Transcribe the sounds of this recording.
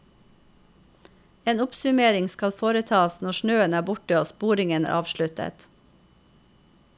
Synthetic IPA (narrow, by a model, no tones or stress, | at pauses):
eːnʊpsʉmeːɾɪŋskɑlfoːɾət̪ʰɑːsnɔʃɳøːənæːbʊʈəoːspuːɾɪŋənæ̰ʔɑ̰ːʋʃɭʉt̪ə̰t̪